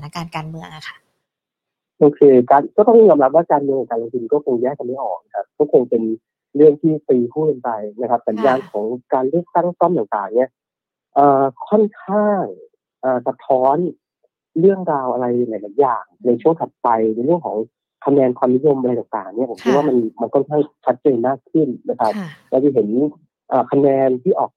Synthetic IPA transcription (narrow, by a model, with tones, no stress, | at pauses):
a˩naː˧˥kaː˧nkaː˧nmɯ˧əŋa˧˦˩kʰa˥˩ | ʔoː˧kʰeː˧kaː˧nkɔː˥˩t̪ɔ˥˩ŋ˩jɔː˧mɾa˦˥p̚waː˥˩kaː˧nmɯ˧ŋa˧˩kaː˧lo˧ŋt̪ʰi˧nkɔː˥˩kʰo˧ŋjɛː˥˩k̚ka˧ma˥˩jʔɔː˨˩k̚kʰa˦˧˩kɔː˥˩kʰo˧ŋpe˧n | ɾɯ˥˩əŋt̪ʰiː˥˩t̪iː˧pʰuː˥˩ka˧npa˧jna˦˥kʰp̚sa˩˦njaː˧nkʰɔː˩˦ŋkaː˧nɾɯ˥˩ək̚t̪a˥˩u˥˩sɔ˥˩t̪aː˨˩t̪aː˨˩ŋni˥˩ɐ | ʔɤː˨˩kʰɔ˥˩nkʰaː˥˩ŋ | ʔaː˨˩sa˧˦t̪ʰːɔː˦˥n | ɾɯ˥˩əŋɾaː˧wʔa˧ɾa˧ja˧la˨˩˦laː˨˩˦jaː˨˩ŋna˧jt͡ɕʰu˥˩əŋt̪ʰa˨˩t̪̚pa˧jna˧jɾɯ˥˩əŋkʰɔ̰ː˩˦ŋ | kʰa˧nɛː˧nkʰwaː˧mni˦˥jo˧mʔɾj̪aː˨˩ŋt̪a̰ː˨˩ŋni˥˩ɐpʰmkʰi˦˥waː˥˩ma˧nma˧nkʰɔ˥˩nkʰaː˥˩ŋt͡ɕʰa˦˥t̪̚t͡ɕaː˧jmaː˥˩kʰːɯ˥˩nːa˦˥kʰa˦˥p̚lɛː˧˩t͡ɕa˧˩ɦe˩˦n | ʔaː˨˩kʰa˧nɛː˧nt̪ʰiː˥˩ʔɔː˨˩k̚